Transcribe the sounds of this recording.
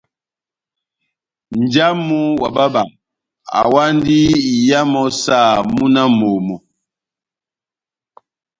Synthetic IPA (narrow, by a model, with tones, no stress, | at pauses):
n˨d͡ʒa˦mu˦wa̰˨ba˦ba˨ | a̰˨wa˦ndi˦i˨ja˦mɔ˨sa˦˨mu˦na˦mo˨mɔ˨